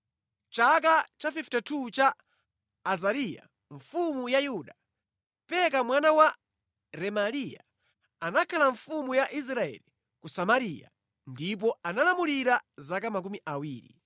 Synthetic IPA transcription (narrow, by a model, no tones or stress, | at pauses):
t͡ʃak̬at͡ʃafiftɛtʰut͡ʃaː | zaɾija̰ | ɱfumujajuɗa | pɛkamwanawa | ɾɛmalija̰ | anakʰalaɱfumujaʔis̬ɾaɛ̰li | kusamaɾija̰ | ndip̬ɔanalamuliɾazakamak̬umiʔawiːɾḭ